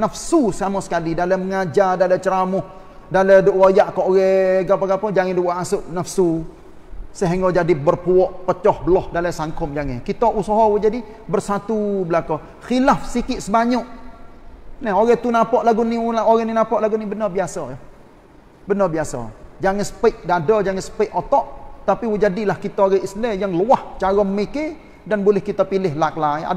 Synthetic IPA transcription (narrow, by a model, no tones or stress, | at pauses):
nəfsusəamɔsə̥kalidaləməŋad͡ʒadalət͡ʃəɾamʊh | daləduʔɣojaʔkɔʔɣɛɡapəɡapəd͡ʒaŋɛduwaʔasʊʔnafsu | səɦɛŋɡɔd͡ʒadibərpuɔʔpət͡ʃɔhbəlɔhdaləsaŋkʊmd͡ʒaŋɛkit̪ɔʔusɔɦɔwd͡ʒadi | bərsat̪ubəlakɔ | xilafsikɪʔ̪səbaɲɔʔ | nɛɦoɣɛt̪unapɔʔlaɡunioɣɛninapɔʔlaɡunibənəbiasɔj | bənəbiasɔ̰d͡ʒaŋɛsə̥pəʔdadɔd͡ʒaŋɛsə̥pəʔot̪ɔʔt̪apiwud͡ʒadilahkit̪aɣɛislɛjaŋluaht͡ʃaɣɔmmike | danbolɪhkit̪apilɪɦlaklaia̰